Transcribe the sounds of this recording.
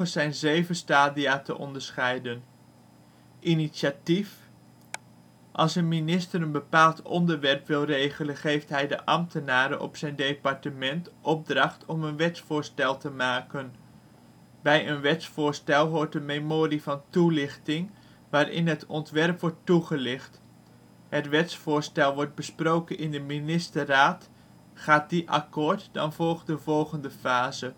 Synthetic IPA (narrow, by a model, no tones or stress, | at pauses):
əsɛjnzejvəstaːdiaːtə̰ʔɔ̰ndəɹsχɛjdən | ʔiniʃatif | ʔɑ̰lˠsənminɪstəɾənbəpaːlˠtʰɔndəɹʋɛrpʋɪlˠrejχələnχejftɦɛjdə̰ʔɑmtənaːɾənʔɔ̰psɛjndejpɑɹtəmɛntʔɔb̚drɑχtʰɔmənʋɛtsfʊːɹstɛlˠtəmaːkən | bɛjənʋɛtsfʊːɹstɛlˠɦʊːɹt̚dəmemoːɾivɑntulɪχtɪŋ | ʋaːɾʔɪ̰nɦətɔntʋɛrpʋɔɹtːuχəlɪχt | ɦətʋɛtsfʊːɹstɛlˠʋɔɹd̚bəsprowkənɪndəminɪstəraːt | χaːt̚diʔɑ̰kʊːɹtdɑ̰nvɔlˠχdəvɔlˠχəndəfaːzə